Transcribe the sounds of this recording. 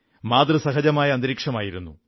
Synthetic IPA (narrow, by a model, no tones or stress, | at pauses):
maːd̪rɨsɐɦɐd͡ʑɐmaːjɐɐnd̪ɾiːkʂɐmaːjiɾunːu